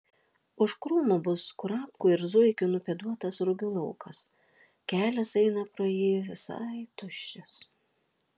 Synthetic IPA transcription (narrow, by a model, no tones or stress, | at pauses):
ʊʃkɾuːmobʊskʊɾɑːpkʊːɪɾzʊɪkʲʊnʊpʲɛd̪uɔt̪ɐsɾʊɡʲuːlˠɐʊkʰɐs | kʲæːlʲɛsɛɪnɐpɾoːjiːʋʲɪsɑ̰ɪt̪ʊʃʲt͡ʃʲɛs